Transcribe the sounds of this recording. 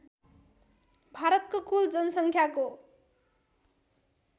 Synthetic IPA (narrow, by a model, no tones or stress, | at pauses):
bʱaɾʌt̪̚kokuld͡zʌnʌsʌŋkʰjako